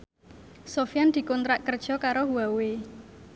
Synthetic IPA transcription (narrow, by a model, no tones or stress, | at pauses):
sofijand̪̥i̤kɔnt̪ɾaʔkərd̥ʒ̥ɔ̤kaɾoɦuawe